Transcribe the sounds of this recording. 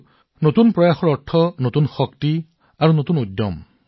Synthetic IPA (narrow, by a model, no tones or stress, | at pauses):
notunpɹɔjaxɔɹɔɹtʰːɔnotunxɔkti | aɹunotunudːɔ̰m